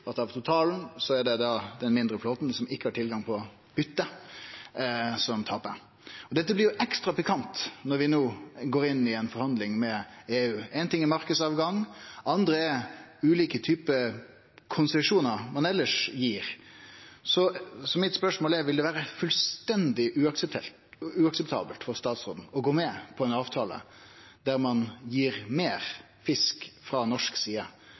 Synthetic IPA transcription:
ɑt̪ɑʋt̪ʰʊt̪ʰɑːln̩sɔæɖɛd̪ɑd̪ɛnmɪnd̪ɾəfloːt̪nsɔmɪkːəhɑʈʰɪlɡɑŋpʰɔ | b̥ʏt̪ːə | sɔmt̪ʰɑːpə̰ | ɔd̪ɛt̪ːəblɪɾjʊʔɛkst̪ɾɑpɪkʰɑnt̪nɔɾʋɪnoːɡoːɾɪnːɪɛnfɔɾhɑnd̪lɪŋmɛeːʉːɛɪnt̪ɪŋːɛmɑɾkəsɑːʋɡɑŋɑnd̪ɾəɛʉːliːkət̪ʰyːpə | kʰʊnsɛʂuːnəʁmɑnɛlːəʂjiːɾ | sɔsɔmɪt̪spœʂmoːlɛɾʋɪld̪ɛʋæːɾəfʉlst̪ɛnd̪ɪʔʉːɑksəp̚t̪ʰɛ̰l | ʉɑksəpt̪ʰɑ̰ːbəlt̪fɔʁst̪ɑːt̪sʁoːd̪n̩ɔɡoːmɛpʰɔɛɪnɑːʋt̪ʰɑːlə̰ | d̪̥æɾmɑnjiːɾmeːɾ | fɪskfɾɑnɔʂksiːə

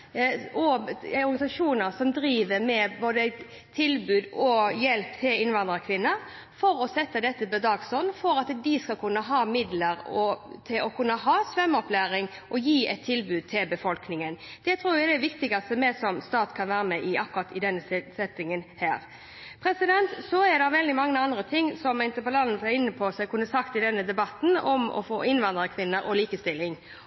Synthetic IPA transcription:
ɔɔɾɡɑnɪsɑʂuːnəɾsɔmd̪ɾiːʋəmɛboːd̪ə | t̪ʰɪlbʉːd̪ɔjɛlpt̪ʰɪlɪnʋɑnd̪ɾɑkʰʋɪnːəɾ | fɔɾɔsɛt̪ːəd̪ɛt̪ːəbɛd̪ɑːɡsɔnfɔɾɑt̪d̪ɪskɑlkʰʉnːəɦɑːmɪd̪ləɾɔt̪ʰɪlɔkʰʉnːəɦɑːsʋœmːɔplæːɾɪŋ | ʔɔjiːɛt̪ʰːɪlbʉːd̪̚t̪ʰɪlbəfɔlknɪŋənd̪̥ɛt̪ʰɾuːɾjæɪd̪ɛʋɪkt̪ɪɡɑst̪əmɛsɔmst̪ɑːt̪kʰɑnʋæːɾəmɛʔɪʔɑkːʊɾɑt̪ɪd̪ɛnːəsɛt̪ːɪŋənhæːɾ | pʰɾɛsɪd̪ɛnt̪sɔɛɾd̪ɑʋɛld̪ɪmɑŋːəɑnd̪ɾət̪ʰɪŋːsɔmːæɪnt̪əpɔlɑnsɛɾɪnːəpʰɔsɛɪkʰʉnːəsɑkt̪ɪd̪ɛnːəd̪ɛbɑt̪ːn̩ɔ̰mɔ̰fo̰ːɪnʋɑnd̪ɾəkʰʋɪnːəɾʔɔliːkəst̪ɪlːɪŋ

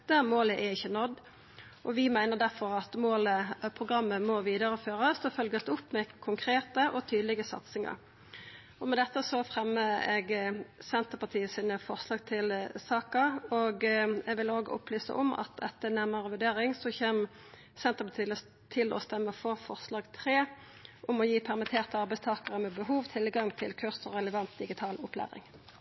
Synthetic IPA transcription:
d̪̥æːʁmoːləʔɛɪçːənɔd̪ː | ʔɔʋɪmæɪnəʁd̪æʁfɔʁɑt̪moːləpʰʁʊɡʁɑmːəmɔʋiːd̪əʁəføːʁəsd̪ɔfœlɡəst̪ʊpːmɛkʰʊŋkʰʁeːt̪əʔɔt̪ʰyːd̪əlɪɡəsɑ̰t̪sɪŋɑ̰ʁ | ɔmɛd̪ɛt̪ːəsɔfʁɛmːəɛɡsɛnt̪əpɑt̪ʰiːəsiːnəfɔʁslɑːɡ̚t̪ʰɪlsɑːkəɾɔɡɛɡʋɪloːɡəʔʊ̰plyːsə̰ʔɔ̰mɑ̰t̪ɛt̪ːənæʁməʁəʋʉʁd̪eːʁɪŋsɔçeːm | sɛnt̪əʁpɑt̪ʰiːlə | t̪ʰɪlɔ̰st̪ɛmːəfɔʁfɔʁslɑːɡt̪ʰʁeː | ʔʊmɔjiːpʰæʁmɪt̪ʰeːʁt̪əɑʁbæɪst̪ʰɑːkəʁəmɛbəɦuːʋt̪ʰɪlɡɑŋt̪ʰɪlkʰʉʁsɔʁɛləʋɑnt̪̚d̪ɪɡɪt̪ʰɑːlʊpʰlæ̰ːʁɪ̰ŋ

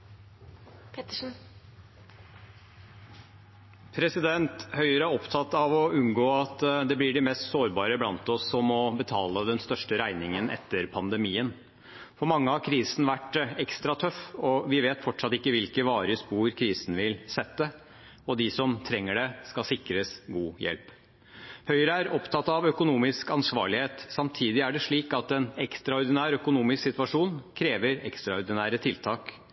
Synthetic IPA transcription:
pʰɾɛsɪd̪ɛnt̪hœʏəɾəæɔpt̪ʰɑt̪ːɑʋɔʉnɡoːɑt̪d̪ɛblɪɖɪmɛːst̪soːɾbɑːɾəblɑnt̪ɔsːɔmɔbət̪ʰɑːləd̪ɛnst̪œʂʈəɾæɪnɪŋənʔɛ̰t̪ːəɾpʰɑnd̪əmiːən | fɔɾmɑŋːəhɑɾkʰɾiːsn̩ʋæʈːɛkst̪ɾɑt̪ʰœfɔʋɪʋeːt̪fɔʈʂɑt̪ːɪkːəʋɪlkəʋɑːɾəspuːɾkʰɾiːsn̩ʋɪlsɛt̪ːə | ɔd̪ɪsɔmt̪ʰɾɛŋːəɖɛskɑsɪkɾəsɡuːjɛ̰lp | hœʏɾəæɾɔpt̪ʰɑt̪ːɑʋœkʊnuːmɪskɑnsʋɑ̰ːɭɪheːt̪sɑmt̪ʰiːd̪ɪæɖɛʂɭiːkɑt̪ɛnɛkst̪ɾɑɔɾd̪ɪnæːɾœkʊnuːmɪsksɪt̪ʋɑʂuːnkʰɾeːʋəɾɛkst̪ɾɑʊɾd̪ɪnæːɾət̪ʰɪlt̪ʰɑːk

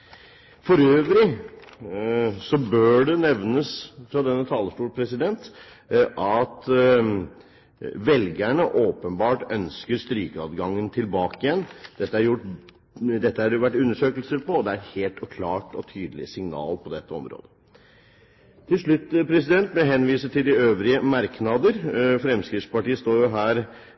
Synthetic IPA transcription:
fɔɾøːʋɾɪ | sɔbøːɖɛnɛʋnəsfɾɑd̪ɛnːət̪ʰɑːləʂʈuːɾpʰɾɛsɪd̪ɛnt̪ | ʔɑt̪ | ʋɛlɡæɳəʔoːpənbɑːʈœnskəɾst̪ɾiːkəɑd̪ɡɑŋːənt̪ʰɪlbɑːkɪjɛnːd̪̥ɛt̪ːəæɾjʊʈː | d̪ɛt̪ːəhæɾjʊʋæʈːʉnːəʂøːkəlsəɾpɔɔd̪ɛæɾɛt̪heːlt̪ɔkʰlɑːʈɔ̰t̪ʰyːd̪əlɪ̰sɪŋnɑ̰ːlpʰɔd̪ɛt̪ːəɔmɾo̰ːd̪ə | t̪ʰɪlʂɭʉt̪ːpʰɾɛsɪd̪ɛnt̪̚bɛɦɛnːʋiːsət̪ʰɪld̪ɪøːʋɾɪəmɑɾknɑd̪əɾfɾɛmskɾɪft̪spɑʈiːəst̪oːɾjʊɦæːɾ

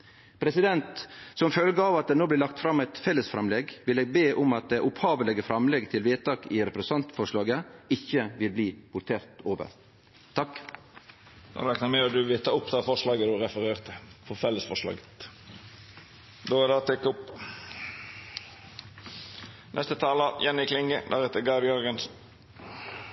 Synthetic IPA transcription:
pʰɾɛsɪd̪ɛnt̪sɔmfœlɡəɑːʋɑt̪̚d̪eːnoːblɪːlɑkt̪fɾɑmːæɪt̪fɛlːəsfɾɛmlɛɡʋɪleːɡ̚beːʔʊmɑt̪̚d̪eʔʊphɑːʋəlɪɡəfɾɑmlɛɡt̪ʰɪlʋeːt̪ɑːkɪɾɛpɾɛst̪ɑnt̪fɔʂɭɑːɡəɪçːəʋɪlbliːpʊɾʈ̪ʰeːɾt̪oːʋə̰ɾ | t̪ʰɑkː | d̪ɑ̰ɛknɑmɛɔd̪ʉʋɪt̪ʰɑːʊpːd̪ɛæːfɔʂlɑːɡəd̪ʉɾɛfəɾeːʁt̪əfɔfɛlːəsfɔʂlɑ̰ːɡə̥t̪ | d̪oːɛd̪ɑːt̪ɛkːʊp | nɛ̰st̪ət̪ʰɑːləjɛnɪkʰlɪŋəd̪æɾɛt̪əɡɑd̪jɔɾɡənsn

